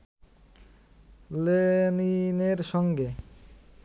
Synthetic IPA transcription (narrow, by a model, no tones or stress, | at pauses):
lenineɾʃɔŋɡe